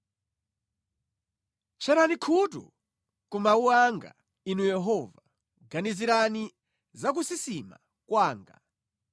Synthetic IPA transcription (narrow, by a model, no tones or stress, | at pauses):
t͡ʃʰɛɾanikʰutṵ | kumauaŋɡa̰ | inujɛɦɔva | ɡaniziɾani | zak̬usisima̰ | kwaːŋɡa̰